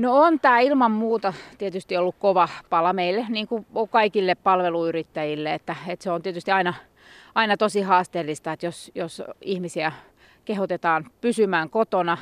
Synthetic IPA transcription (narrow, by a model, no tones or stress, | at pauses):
noont̪æːilmɑmmuːt̪ɑt̪iet̪yst̪iolːukkoʋɑpɑlɑmeilːeniːŋkuokɑikilːeppɑlʋeluyrit̪ːæjilːeet̪ːæet̪seont̪iet̪yst̪iɑinɑ | ɑinɑt̪osihɑːst̪eːlːist̪ɑet̪josjosihmisiæ | kehot̪et̪ɑːnpysymæːŋkot̪onɑ